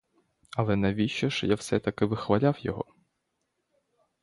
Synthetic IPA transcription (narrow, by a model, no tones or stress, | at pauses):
ɐlˠɛnɐʋʲiʃɔʃjawsɛt̪ɐkɪʋɪxʋɐlʲawjɔ̰ɦɔ̰